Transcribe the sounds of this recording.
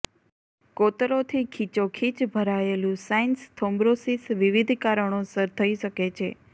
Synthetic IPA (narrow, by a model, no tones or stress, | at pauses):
kot̪ɾot̪ʰikʰit͡ʃokʰit͡ʃbʱəɾaelũsainst̪ʰombɾosisʋiʋid̪ʱkaɾəɳ̃osəɾt̪ʰəiʃəket͡ʃʰe